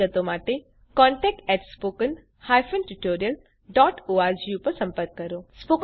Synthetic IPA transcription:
ət̪omaːʈe | kɔ̃ːɳʈɛk̚ʈɛːʈspoːkən | haːjfʰənʈuʈoːɾijəl | ɖɔːʈoːaɾd͡ʒjupəɾsɐ̃mpəɾkːɐɾospok

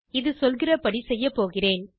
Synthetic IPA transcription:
ɪðɯsɔlɣɪrɐpɐɽisɛjːɐpːoːɣɪreːn

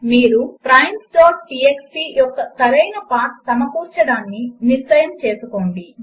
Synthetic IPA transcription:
miːɾupɾɐjmsʈoːɾʈieksʈijɔkːɐt̪ɐɾɐjnɐpaːʈsɐmɐkuːɾt͡ʃɐɽaːnːiniɾsɐjɐmt͡ʃe̞ːsukoːɳɖi

